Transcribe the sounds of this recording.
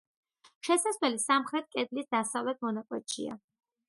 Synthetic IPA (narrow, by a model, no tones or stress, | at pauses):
ʃɛsasvɛlisamχɾɛt̪̚kʼɛd̪lisd̪asavlɛt̪̚ʰmɔnakʼwɛt̪̚ʃḭa̰